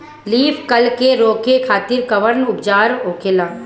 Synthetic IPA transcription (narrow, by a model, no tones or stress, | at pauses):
liːfʰkɐlkeɾoːkekʰaːt̪ɪɾkɐʋəɾnʊbd͡ʒaːɾoːkeːlaː